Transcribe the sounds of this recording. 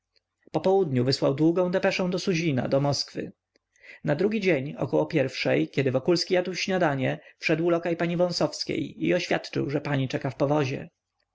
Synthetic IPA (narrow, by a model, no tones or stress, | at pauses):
pɔpɔwud̪ɲuvɘswawd̪wuɡɔ̃w̃d̪ɛpɛʂɛ̃w̃d̪ɔsuʑina̰d̪ɔmɔskfɘ̰ | nad̪ɾuɡʲid͡ʑeɲɔ̰kɔwɔpʲjɛɾfʂɛjkʲɛd̪ɘvɔkulskʲijad̪wɕɲad̪aɲɛfʂɛd̪wulɔkajpaɲivɔ̃sɔfskʲḛjḭɔɕfʲjat̪t͡ʂɘ̰wʐɛpaɲit͡ʂɛkafpɔvɔʑɛ̰